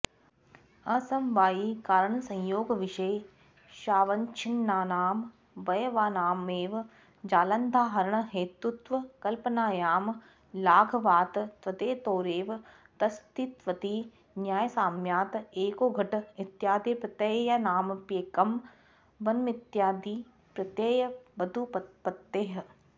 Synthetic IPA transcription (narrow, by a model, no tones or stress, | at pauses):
ɐsɐmʋaːikaːɾəɳ̃sɐ̃j̃joːɡʋɪʃeː | ʃaːʋɐɲt͡ʃʰinːaːnaːm | bɐjʋaːnaːmeːʋ | d͡ʒaːlɐnd̪ʱaːɦɐɾəɳ̃əɦeːt̪ut̪ʋɐkɐlpənaːjaːm | laːɡʱɐʋaːt̪t̪ʋɐt̪eːt̪oːɾeːʋ | t̪ɐst̪it̪ʋɐt̪iː | njaːjɐsaːmjaːt̪eːkoːɡʱɐʈɪt̪jaːd̪iːpɾɐt̪ɐjjɐnaːmpjeːkɐm | ʋɐnmɪt̪jaːd̪iː | pɾɐt̪jeːjɐʋɐd̪upɐpɐt̪ːeːɦ̆